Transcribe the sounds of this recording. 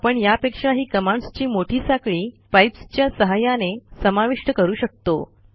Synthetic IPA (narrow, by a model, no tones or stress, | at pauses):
pəɳjapekʂaɦiːkəmãɳst͡ɕiːmoʈʰiːsakɭiːpajpst͡ɕjasəɦajanesəmaʋiʂʈəkəɾuːɕək̚t̪o